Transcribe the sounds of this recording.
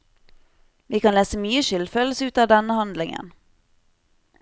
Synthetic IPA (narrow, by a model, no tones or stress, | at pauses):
ʋiːkɑnleːsəmyːəʃʏld̪føːl̩səʉːt̪ɑːʋd̪ɛnəhɑnd̪lɪŋə̰n